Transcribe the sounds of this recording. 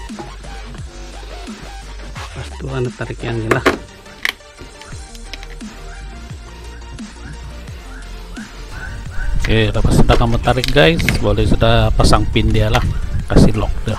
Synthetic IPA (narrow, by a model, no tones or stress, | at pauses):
past̪uanat̪aɾikjaŋɡilah | elapasudakamət̪aɾɪk̚ɡajsbolɛsudahpasaŋpindialahkasilɔ̰k̚da